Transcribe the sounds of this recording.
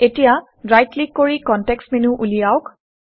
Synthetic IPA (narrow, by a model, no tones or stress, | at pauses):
etija | ɹajtlikːoɹikɔntɛkstmɛnuʔulijaʊk